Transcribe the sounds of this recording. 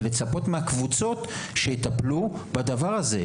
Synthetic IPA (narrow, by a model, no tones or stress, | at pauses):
let͡sapo̞t̪meakvut͡so̞t̪ʃeit̪aplubad̪avaʁaze